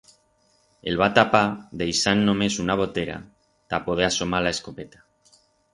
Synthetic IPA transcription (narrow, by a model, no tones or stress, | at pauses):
ḛlβ̞at̪apaðejsanːõme̞sunaβ̞o̞t̪eɾa̰ | t̪apoð̞easomalaeskopet̪ḁ